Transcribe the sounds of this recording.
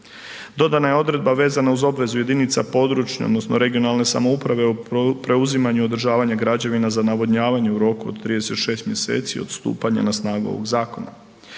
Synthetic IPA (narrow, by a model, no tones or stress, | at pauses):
d̪o̞d̪anajeo̞d̪ɾe̞d̪̚baʋe̞ːzanauzo̞bʋe̞zujed̪init̪sapo̞d̪ɾut͡ʃɲa̰od̪no̞snoɾe̞ɡio̞nalˠne̞sa̰mo̞upɾaʋe̞upɾe̞uzimaɲuo̞d̪ɾʒaːʋaɲaɡɾad͡ʑaʋinazanaʋod̪ɲaːʋaɲeuɾo̞kuod̪t̪ɾiːd̪e̞se̞t̪ʃe̞ːst̪mje̞se̞̰ːt̪sio̞̰d̪̥st̪ṵːpaɲa̰nasnaːɡuoʋo̞̰ɡzaːko̞na̰